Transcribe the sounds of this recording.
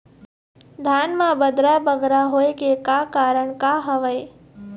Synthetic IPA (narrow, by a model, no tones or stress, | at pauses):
d̪ʱaːnmãbəd̪ɾabəɡɾaɦojkekakaːɾəɳkaɦəʋəj